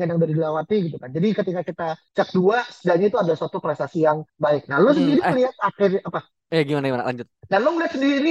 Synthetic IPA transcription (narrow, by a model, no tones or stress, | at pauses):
ŋanjaŋdaɾidilawat̪iɡit̪ukand͡ʒadikət̪ikakit̪at͡ʃak̚duasədaʔɲait̪uadasuat̪upɾɛst̪asijaŋbaɪk̚nalos̬əndiɾiliɦat̪̚akɪrapa | ijaɡimanaɡimana̰la̰ɲd͡ʒʊt̪̚nalomliɦat̪səndiɾi